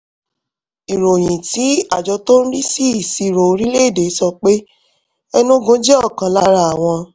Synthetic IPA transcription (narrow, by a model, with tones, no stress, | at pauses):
i˨ɾo˨j̃ĩ˨ti˨˦a˦˨d͡ʒɔ˧to˦ñ̩˦ɾi˦si˦˨si˧˨ɾo˨˦ɾi˦le˦i˦˨de˨˦sɔ˧k͡pe˦ | ɛ˧nũ˦ɡõ˨˦d͡ʒe˦ɔ˦˨kã˧la˦ɾa˦a˨w̃ɔ̃˧